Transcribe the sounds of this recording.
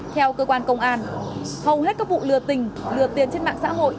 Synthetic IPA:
t̪ʰɛ˧wkəː˧kwaː˧nkə˧wŋ͡mʔaː˧nhə˨˩whɦe˦˥t̚kaː˦˥k̚vṵ˧˨lɨ˨˩ət̪ï˨˩ŋ̟lɨ˨˩ət̪i˨˩ənt͡ɕe˧nɓa̰ː˧˨ŋsa̰ː˧˥ɦo̰˧˨jʔ

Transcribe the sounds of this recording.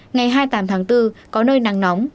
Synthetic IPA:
ŋa˨˩jɦaː˧jt̪aː˨˦mt̪ʰaː˨˦ŋt̪ɨ˧kɔ˨˦nəː˧jna˨˩ŋnɔ˨˦wŋ͡m

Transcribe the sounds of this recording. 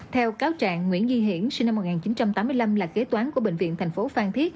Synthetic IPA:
t̪ʰɛ˧wkaː˨˦wt͡ɕa̰ː˧˨ŋːŋwḭ˧˥ənzi˧ɦḭ˧˩˥ənsi̟˧na˧mːo˨˩ŋaː˨˩t͡ɕi˨˦nt͡ɕa˧mt̪aː˨˦mːɨ˧əjla˧mlaː˨˩ke˨˦˥t̪waː˨˦nku˧˩əɓḛ˧˨ŋvḭ˧˨ənt̪ʰɛ˨˩ŋ̟fo˨˦faː˧ŋt̪ʰi˦˥ət̚

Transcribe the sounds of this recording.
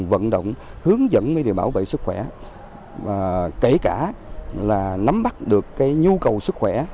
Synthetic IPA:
və̰˧˨nɗo̰˧˨wŋ͡mhɨ˨˦əŋzə̰˧˥nvəː˨˦jɗe˨˩wɓaː˧˩wvḛ˧˨sɨ˦˥k̚xwɛ˧˩ | aː˨˩ke˧˩kaː˧˩laː˨˩na˨˦mɓa˦˥t̚ɗɨ˨˩əkːaː˨˦jɲu˧kə˨˩wsɨ˦˥k̚xwɛ˧˩

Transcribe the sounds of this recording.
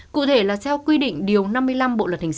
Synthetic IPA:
kṵ˧˨t̪ʰe˧˩laː˨˩t̪ʰɛ˧wkwi˧ɗḭ˧˨ŋ̟ɗi˨˩əwna˧mːɨ˧əjla˧mɓo̰˧˨lə˨˩hʰa˨˩ŋ

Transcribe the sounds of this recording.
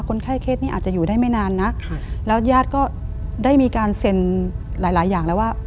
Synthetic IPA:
kʰo˧nkʰaː˥˩jkʰeː˥˩t̪̚niː˥˩ʔaː˨˩t̪t͡ɕa˨˩juː˨˩daː˥˩jma˥˩jnaː˧nːa˦˥lɛː˦˥wjaː˥˩t̪̚kɔː˥˩daː˥˩jmiː˧kaː˧nse˧nlaː˩˦jlaː˩˦jːaː˨˩ŋlɛː˦˥waː˥˩

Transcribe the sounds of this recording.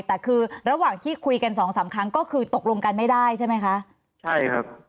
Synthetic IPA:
t̪ɛː˨˩kʰɯː˧ɾa˧waː˨˩ŋt̪ʰiː˥˩kʰu˧jka˧nsɔː˩˦ŋsaː˩˦mkʰa˦˥ŋkɔː˥˩kʰɯː˧t̪o˨˩k̚lo˧ŋka˧nma˥˩jdaː˥˩jt͡ɕʰa˥˩ma˦˥jkʰa˦˥ʔ | t͡ɕʰa˥˩jkʰa̰˦˥p̚

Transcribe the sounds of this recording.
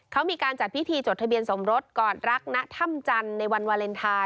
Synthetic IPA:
kʰa˦˥wmiː˧kaː˧nt͡ɕa˨˩t̪̚wʰi˦˥t̪ʰiː˧t͡ɕoː˨˩t̪̚ʰa˧bi˧ənso˩˦mɾo˦˥t̪̚kɔː˨˩nɾa˦˥k̚na˦˥ʔt̪ʰa˥˩mt͡ɕa˧nːa˧jwa˧nwaː˧le˧nt̪ʰaː˧

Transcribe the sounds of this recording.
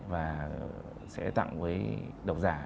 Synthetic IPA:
vaː˨˩ | sɛ̰˧˥t̪a̰˧˨ŋvəː˨˦jɗə˨˩w̚zaː˧˩

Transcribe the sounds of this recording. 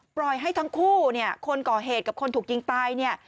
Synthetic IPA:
pɾɔ˨˩jɦa˥˩jt̪ʰa˦˥ŋkʰuː˥˩ni˥˩ɐkʰo˧nkɔː˨˩ɦeː˨˩t̪̚ka˨˩p̚kʰo˧nt̪ʰuː˨˩k̚jt͡ɕi˧ŋt̪aː˧jni˥˩ɐ

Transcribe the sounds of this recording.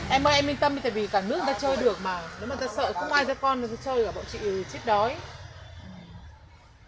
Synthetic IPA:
ʔɛ˧mʔəː˧jʔɛ˧mi˧ŋt̪ə˧mi˧˦t̪aː˨˩vi˨˩kaː˧˩nɨ˦˥k̚t̪a˧t͡ɕəː˧jɗɨ˨˩ək̚maː˨˩ɗmaː˨˩t̪aː˧sə̰ː˧˨xə˧wŋ͡mʔaː˧jzɔ˧kɔ˧n˨˩za˧˦t͡ɕəː˧jʔɨː˨˧˩ɓa̰˧˨wt͡ɕḭ˧˨˩t͡ɕi˦˥k̚ɗɔ˨˦j

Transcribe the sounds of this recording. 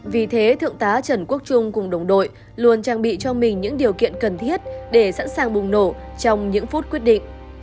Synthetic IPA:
vi˨˩t̪ʰe˨˦t̪ʰɨ̰˧˨əŋt̪aː˨˦t͡ɕə˧˩nku˦˥ək̚t͡ɕʊ˧ŋ͡mkʊ˨˩ŋ͡mɗə˨˩wŋ͡mɗo̰˧˨j | lu˨˩ənt͡ɕaː˧˩ŋɓḭ˧˨t͡ɕɔ˧mï˨˩ŋ̟ɲɨ̰˧˥ŋɗi˨˩əwkḭ˧˨ənkə˨˩nt̪ʰi˦˥ət̚ɗe˧˩sa̰˧˥nsaː˨˩ŋɓʊ˨˩ŋ͡mno˧˩ | t͡ɕɔ˧wŋ͡mɲɨ̰˧˥ŋfu˦˥t̚kwi˦˥ət̚ɗḭ̈˧˨ŋ̟

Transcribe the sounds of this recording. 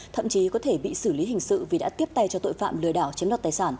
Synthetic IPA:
t̪ʰə̰˧˨mt͡ɕi˨˦kɔ˨˦t̪ʰe˧˩ɓḭ˧˨sɨ˧˩li˨˦ɦï˨˩ŋ̟sɨ̰˧˨vi˨˩ɗa̰ː˧˥t̪i˦˥əp̚t̪a˧jt͡ɕɔ˧t̪o̰˧˨jfa̰ː˧˨mlɨ˨˩əɗaː˧˩wt͡ɕi˨˦əna˨˩t̪aː˨˩jsaː˧˩n

